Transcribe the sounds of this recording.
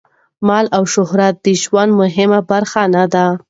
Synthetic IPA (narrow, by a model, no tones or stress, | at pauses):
mɑlawʃʊhɾat̪̚d̪əʒwanmʊɦɪmabaɾxanad̪a